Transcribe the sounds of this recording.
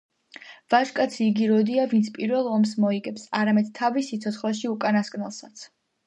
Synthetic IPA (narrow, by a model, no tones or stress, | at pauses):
v̥aʒkʼat̪sʰiːɡiɾɔd̪iavint̪sʰpʼiɾvɛlˠɔmsmɔiɡɛpsaɾamɛd̪̥̚t̪ʰavisit̪sʰɔt̪sχlˠaʃiukʼanaskʼnɛlˠsat̪sʰ